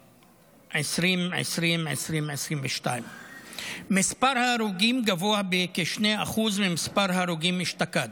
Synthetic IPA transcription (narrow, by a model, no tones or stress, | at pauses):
ʕesɾimʕḛsʁimʕḛsɾimʕesɾimveʃt̪ajm | mispaɾhaɾuɡimɡavoabekeʃneaχuzmemispaɾɦaɾuɡimiʃt̪akad̪